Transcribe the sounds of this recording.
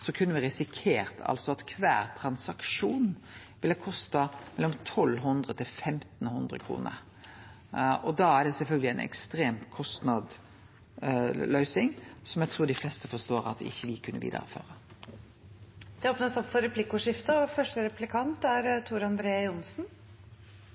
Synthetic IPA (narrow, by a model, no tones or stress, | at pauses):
sɔkʰʉnːəʋɪɾɪsɪkʰeːɾt̪ʰɑ̰lsɔɑt̪kʰʋæ̰ːɾt̪ʰɾɑnsɑkʂuːn | ʋɪlːəkʰɔst̪ɑmɛlɔmt̪ʰɔlːɦʉnd̪ʁət̪ʰɪlfɛmt̪n̩hʉnd̪ɾə̰kʰɾṵːnə̰ɾ | ɔd̪ɑæɖ̪ɛsɛlfœlɡəlɪæɪnʔɛ̰kst̪ɾeːmt̪kʰɔst̪nɑd̪ | lœʏsɪŋsɔmjæɡt̪ʰɾuːɖɪflɛst̪əfɔst̪oːɾɑ̰t̪ɪ̰çːəʋɪkʰʉnːə̰ʋḭːd̪ə̰ɾə̰fø̰ːɾə | d̪̥ɛoːpnəsɔpfɔɾɛpʰlɪkʊʂɪft̪əɔfœʂʈəɾɛplɪkʰɑnt̪æɾt̪ʰuːɾɑnd̪ɾeːjʊnsn